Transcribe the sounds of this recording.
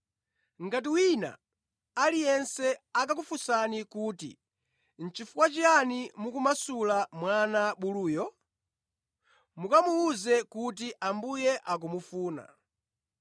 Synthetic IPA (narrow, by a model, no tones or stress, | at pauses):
ŋɡat̬iwina̰ | alijɛnsɛakak̬ufusanikuːtḭ | n̩t͡ʃifukwat͡ʃianimukumasulamwanaɓuluːjɔ | mukamuuzɛkut̬iʔambujɛʔak̬umufuːna̰